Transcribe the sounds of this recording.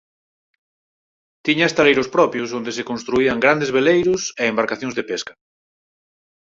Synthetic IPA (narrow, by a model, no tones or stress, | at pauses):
t̪iɲaest̪alejɾʊspɾɔpjʊsond̪esekonst̪ɾuiaŋɡɾand̪ezβelejɾʊseːmbaɾkaθjõŋzðepeskḁ